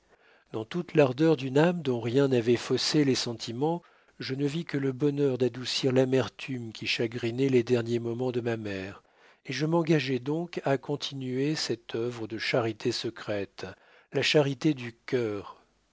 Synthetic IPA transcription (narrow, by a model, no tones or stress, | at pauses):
d̪ɑ̃t̪ut̪laʁd̪œʁd̪ynamd̪ɔ̃ʁjɛ̃navɛfɔselɛsɑ̃t̪ʰimɑ̃ | ʒənəvikələbɔnœʁd̪ad̪usiʁlamɛʁt̪ʰymkʲiʃaɡʁinɛled̪ɛʁnjemɔmɑ̃d̪əmamɛʁ | eʒəmɑ̃ɡaʒɛd̪ɔ̃kakɔ̃t̪ʰinyesɛt̪ʰœvʁəd̪əʃaʁit̪ʰesəkχɛt̪ | laʃaʁit̪ed̪ykʲœːʁ